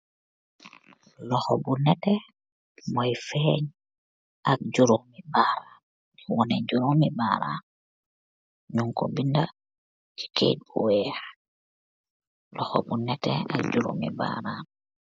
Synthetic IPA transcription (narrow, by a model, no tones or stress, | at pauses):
lɔxɔbunɛtɛ | mɔjfɛɲ | ʔak̚d͡ʒuɾomibaɾa | wɔnɛd͡ʒuɾomibaɾa̰n | ɲuŋkobinda | t͡ʃi̥kʰḛt̚buwɛx | lɔxɔ̰bunɛtɛ̰a̰k̚d͡ʒuɾṵmḭba̰ɾaːn